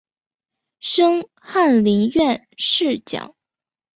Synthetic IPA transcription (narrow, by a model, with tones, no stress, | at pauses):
ʂɤ˥ŋ | xa˥˩nli˧˥nɥɛ˥˧n | ʂɻ̩˥˩t͡ɕjɑ̰˨˩˦ŋ